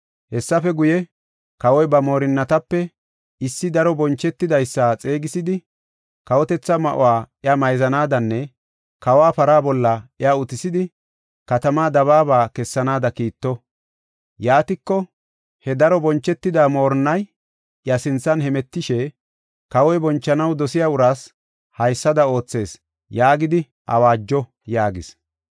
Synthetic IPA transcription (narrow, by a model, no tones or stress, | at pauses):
hɛsːɐfɛɡʊjɛ | kɐwɔjbɐmo̞ːɾɪnːɐt̪ɐpːɛ | ɪsːɪd̪ɐɾɔbɔnt͡ʃːɛt̪ːɪd̪ɐjsːat͡sʼe̞ːɡɪsɪd̪ɪ | kɐwɔt̪ɛt͡sːɐmɐ̰ʔʊ̰waːɪamɐjzɐnaːd̪ɐnːɛ | kɐwaːpɐɾaːbɔlːɐɪaʊt̪ɪsɪd̪ɪ | kɐt̪ɐmaːd̪ɐβaːbaːkɛsːɐnaːd̪ɐkiːt̪ːɔ | jaːt̪ɪkːɔ | hɛd̪ɐɾɔbɔnt͡ʃːɛt̪ːɪd̪aːmo̞ːɾnːɐj | ɪjɐsɪnt͡sːɐnhɛmɛt̪ːɪʃɛ | kɐwɔjbɔnt͡ʃːɐnɐwd̪ɔsɪjaːʊɾaːs | hɐjsːɐd̪ɐo̞ːt͡sːe̞ːs | jaːɡɪd̪ɪ | ʔɐ̰waːd͡ʒːɔ | jaːɡɪs